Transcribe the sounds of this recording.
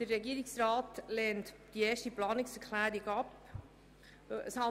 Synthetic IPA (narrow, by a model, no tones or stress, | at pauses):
d̥əɾːɛɡiːəɾɪksrɑːtlɛːntd̥ieːʃtiplɑːnɪksɛɾkʰlæːɾiɡɑp | əshɑ